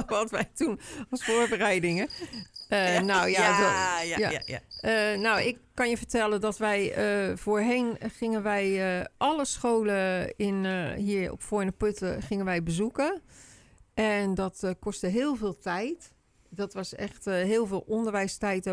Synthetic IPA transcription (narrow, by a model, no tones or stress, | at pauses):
ʋɑtʋɛjtunlˠsfoːɹbərɛjdɪŋəənowjadaənowɪkkːɑnjəvəɹtɛlˠədɔtʋɛjəvoːɹɦejnχɪŋənʋɛjʔɑləsxoːləɪnɦiːɹɔ̰pfoːnəpøtəχɪŋənʋɛjbəzukə | ʔɛndɔtkɔstəɦɪːlˠveːlˠtʰɛjt | d̥ɔtʋɑsɛ̰xtɦɪːlˠveːlˠɔndəɹʋɛjstɛjt